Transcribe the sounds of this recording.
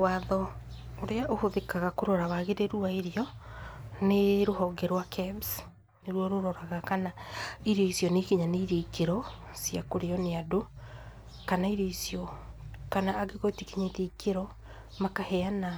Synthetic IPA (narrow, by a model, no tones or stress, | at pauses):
waðɔoɾeaʔohoðekaɣakoɾɔɾaβaɣeɾeɾuaiɾiɔ | neɾohɔɡɛɾwakʰɛbs | neɾwɔɾoɾɔɾaɣakanaiɾjɔisiɔnekiɲaneiɾekeɾɔsiakoɾeɔneado | kanaiɾɔisjɔkanaːɡeɣotikiɲaitekeɾɔ | makahɛana